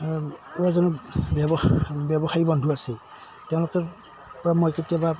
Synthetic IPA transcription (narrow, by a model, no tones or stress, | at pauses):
ɛbazɔnɔbjɛbɔbjɛbɔxajibɔndʱuasɛ | tɛʊ̃lʊkɛɹ | pɔɹamojketiaba